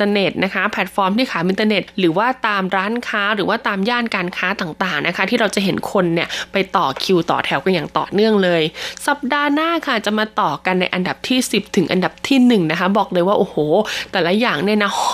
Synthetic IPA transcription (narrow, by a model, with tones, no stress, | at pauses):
a˧ne˨˩t̪̚nʔa˦˥kʰa˦˥pʰlɛ˨˩t̪̚fɔː˧mt̪ʰiː˥˩kʰaː˨˩˦mʔi˧nt̪̬aː˧ne˨˩t̪̚ɾɯː˩˦waː˥˩t̪aː˧mɾaː˦˥nkʰaː˦˥ɾɯː˩˦waː˥˩t̪aː˧mjaː˥˩nkaː˧nkʰaː˦˥t̪aː˨˩ŋt̪aː˨˩ŋnʔa˦˥kʰa˦˥t̪ʰiː˥˩ɾa˧wt͡ɕa˨˩ɦe˩˦nkʰo˧nːi˥˩ɐpa˧jt̪ɔː˨˩kʰi˧wt̪ɔ̰ː˨˩t̪ʰɛ˧˩wka˧njaː˨˩ŋt̪ɔ̰ː˨˩nɯ˥˩əŋlɤː˧jsa˨˩p̚daː˧naː˥˩kʰa˥˩t͡ɕa˨˩ʔmaː˧t̪ɔː˨˩ka˧nːa˧jʔa˧nda˨˩p̚t̪ʰiː˥˩si˨˩p̚t̪ʰɯ˩˦ŋʔa̰˧nda˨˩p̚t̪ʰiː˥˩nɯ˨˩ŋna˦˥kʰa˦˥bɔː˨˩k̚lɤː˧jwaː˥˩ʔoː˨˩hoː˩˦t̪ɛː˨˩lɛ˦˥jaː˨˩ŋni˥˩na˦˥